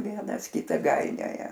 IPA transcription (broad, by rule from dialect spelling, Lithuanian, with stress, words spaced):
ˈʋʲiɛnɐs ˈkʲɪtɑː ˈɡɐɪnʲoːjɛ